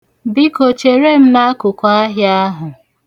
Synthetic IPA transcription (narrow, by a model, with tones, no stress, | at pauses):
bi˦ko˨t͡ʃe˨ɾe˦m̩˦na˦kʊ˨kʷa˦a˦ɦja˦a˦ɦʊ˨